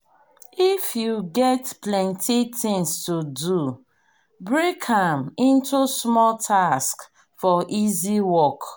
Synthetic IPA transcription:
ifjuɡɛtplɛ̃ntitɪ̃ŋstudu | bɹekãmɪ̃ntusmɔltʰask | fɔʔiziwɔk

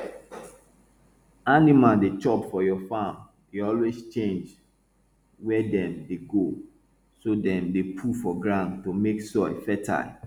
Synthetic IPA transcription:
animaldet͡ʃɔpfɔjɔfãm | deɔlwezt͡ʃẽnd͡ʒ | wɛdɛ̃mdeɡo | sodɛ̃mdepʰufɔɡɹãndtomeksɔɪfɛtʰa̰l

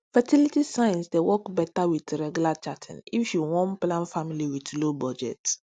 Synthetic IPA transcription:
fɛtilitisãj̃nsdewɔkbɛtawitɹɛɡjulat͡ʃatʰɛ̰̃nifjuwɔ̃nplãnfamiliwitlobɔd͡ʒɛ̰t

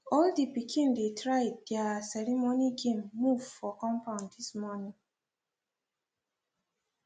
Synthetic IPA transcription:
ɔldipikʰĩndetʰɹaɪddasɛɹimoniɡẽmːuvfɔkɔ̃mpãʊ̃ndismɔnĩŋ

